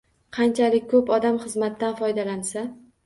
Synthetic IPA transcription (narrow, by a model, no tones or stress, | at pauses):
qʰɑnt͡ʃʰalɪk̚ʲkːʰɵpɒd̪amχɨzmat̪ːanfɒjd̪alansa